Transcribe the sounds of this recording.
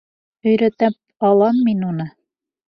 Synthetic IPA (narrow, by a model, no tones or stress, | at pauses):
ɵ̆jɾæt̪æp̚ɑlˠɑmːinunɤ